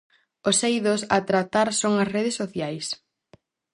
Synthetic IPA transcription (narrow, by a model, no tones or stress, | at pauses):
ʊsejðʊsɐt̪ɾat̪aɾsoŋɐsreð̞ɪsːoθjajs